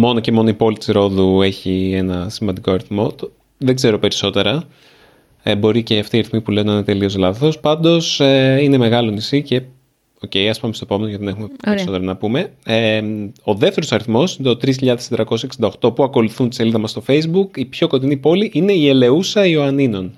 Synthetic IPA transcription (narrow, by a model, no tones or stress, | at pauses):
mo̞no̞ce̞mo̞noipo̞lit̪i̥sɾo̞ðue̞çienɐsimɐnd̪iko̞ɐɾiθmo̞t̪ | ðe̞ɡze̞ɾo̞pe̞ɾiso̞t̪e̞ɾɐ | bo̞ɾiceɐft̪iːɐɾiθmipuleonɐne̞t̪e̞lio̞zlɐθo̞spɐnd̪o̞seine̞me̞ɣɐlonisice̞ | o̞ce̞jɐspamest̪oepo̞me̞nojɐt̪iðene̞xumeeiso̞t̪eɾonɐpume̞eo̞ðeft̪e̞ɾosɐɾiθmo̞sineot̪ɾis̬çiʎɐðest̪d̪ɾɐko̞sseksind̪oxt̪o̞puɐko̞luθunt̪iseliðɐmɐst̪o̞fe̞jzbukipço̞ko̞t̪inipo̞liʔine̞ie̞le̞usɐioɐnino̞n